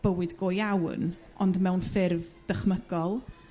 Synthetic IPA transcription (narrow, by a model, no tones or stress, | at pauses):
b̥əwɨdɡoːjawn | ʔɔndmɛwnfɪrvd̥əχməɡɔlˠ